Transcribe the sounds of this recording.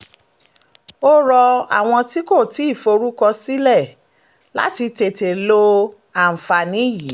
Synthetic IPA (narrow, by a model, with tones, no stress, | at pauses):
o˦ɾɔ˧a̰˨w̃ɔ̃˧ti˦ko˦˨ti˨˦i˦˨fo˧ɾu˦kɔ˧si˦lɛ˦˨ | la̰˦ti˧te˨te˨lo˧ | a˨m̩˨fa˨nĩ˦ji˨˦